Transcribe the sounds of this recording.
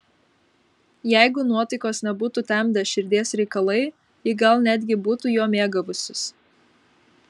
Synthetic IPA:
jɛˑɪɡʊnuɔt̪ɐɪkoːsnʲɛbuːt̪ut̪ʲæˑmʲd̪ʲɛʃʲɪɾʲd̪ʲeɛsɾʲɛɪkɐlˠɐɪ | ɪɡɐlˠnʲæːd̪ʲɡʲɪbuːt̪uːjoːmʲeːɡɐʋʊsʲʊs

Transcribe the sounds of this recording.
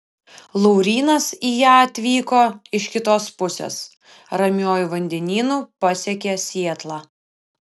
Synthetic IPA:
lˠɔʊɾʲiːnɐsiːjæːɐt̪ʲʋʲiːkoːɪʃkʲɪt̪oːspʊsʲḛːs | ɾɐmʲjoːjuʋɐnʲd̪ʲɛnʲiːnuːpɐsʲɛkʲesʲiɛt̪lˠɑ

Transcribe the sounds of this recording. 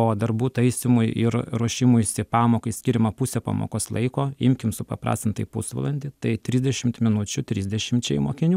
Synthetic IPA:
oːd̪ɐrbuːt̪ɐɪsʲɪmʊjɪɾɾuɔʃʲɪmʊjsʲɪpɑːmoːkɐɪsʲkʲiːɾʲɪmɐpʊsʲɛpɑ̰ːmo̰ːkoːslˠɐɪkoːɪmʲkʲɪmsʊpɐpɾɑ̰ːsʲt̪ʲɪnt̪ɐɪpʊsʋɐ̰lˠɐnʲd̪ʲɪt̪ɐɪt̪ʲɾʲizʲd̪ʲɛʃʲɪmt̪mʲɪnʊt͡ʃʲʊt̪ʲɾʲizʲdʲɛʃʲɪmʲt͡ʃʲɛɪjmoːkʲɪnʲuː

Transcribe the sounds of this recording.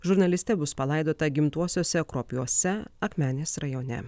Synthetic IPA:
ʒʊɾnɐlʲɪsʲt̪ʲɛbʊspɐlˠɐɪd̪oːt̪ɐɡʲɪmt̪uɔsʲoːsʲɛkɾoːpʲjuɔsʲɛɐkmʲæːnʲeːsɾɐjoːnʲɛ̰

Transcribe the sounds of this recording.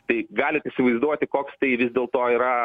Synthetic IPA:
t̪ɐɪɡɑːlʲɪt̪ɪsʲɪʋɐɪzd̪uɔt̪ʲɪkoːkst̪ɐɪʋʲɪzʲd̪ʲeːlˠt̪oːiːɾɐ

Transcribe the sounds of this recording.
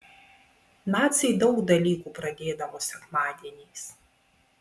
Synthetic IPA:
nɑːt̪sʲɛɪd̪ɒʊkd̪ɐlʲiːkuːpɾɐd̪ʲeːd̪ɐʋoːsʲɛkmɑːd̪ʲiɛnʲɛɪs

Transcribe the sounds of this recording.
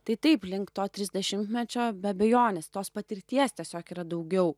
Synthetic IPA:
t̪ɐɪt̪ɐɪplʲɪŋktt̪oːt̪ʲɾʲɪzʲd̪ʲɛʃʲɪmʲt̪ʲmʲɛt͡ʃʲoːbʲɛɐbʲɛjoːnʲest̪oːspɐt̪ʲɪɾʲt̪ʲiɛst̪ʲiɛsʲoːkiːɾɐd̪ɐʊɡʲɛʊ

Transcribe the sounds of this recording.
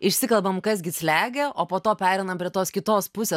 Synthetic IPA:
ɪʃʲsʲɪkɐlˠbɐmkɐs̬ɡʲɪsʲlʲæːɡʲeʔoːpoːt̪oːpʲæːɾʲɛɪnɐmpʲɾʲiɛt̪oːskʲɪt̪oːspʊsʲeː

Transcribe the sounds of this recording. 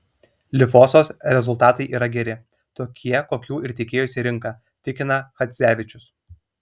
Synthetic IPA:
lʲɪfoːsoːsɾʲɛzʊlˠt̪ɑːt̪ɐɪʔiːɾɐɡʲɛɾʲɪ | t̪oːkʲʰiɛkoːkʲuːɪɾt̪ʲekʲeːjʊsʲiɾʲɪŋˑkɑː | t̪ʲɪkʲɪnɐxɐt̪sʲæːʋʲɪt͡ʃʲʊs

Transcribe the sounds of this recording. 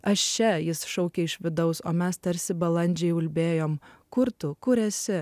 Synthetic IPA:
ɐʃt͡ʃʲɛjɪsʃɐʊkʲeɪʃʋʲɪd̪ɐʊso̰ːmʲɛst̪ɐɾʲsʲɪbɐlˠɐnʲd͡ʒʲɛɪʊlʲbʲeːjoːmkʊɾt̪ʊkʊɾʲɛsʲɪ

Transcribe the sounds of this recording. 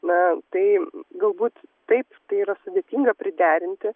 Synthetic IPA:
nɐt̪ɐɪɡɐlˠbuːt̪t̪ɐɪpt̪ɐɪiːɾɐsʊd̪ʲeːt̪ʲiːŋɡɐpʲɾʲɪd̪ʲæːɾʲɪnʲt̪ʲɪ

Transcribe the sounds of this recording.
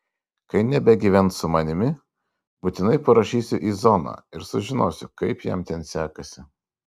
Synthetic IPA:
kɐɪnʲɛbʲɛɡʲiːʋʲɛnt̪sʊmɐnʲɪmʲɪ | bʊt̪ʲɪnɐɪpɐɾɐʃʲiːsʲʊʔiːzɔnɑ̰ːɪɾsʊʒʲɪnoːsʲʊkɐɪpjɛ̰mt̪ʲɛnsʲæːkɐsʲɪ

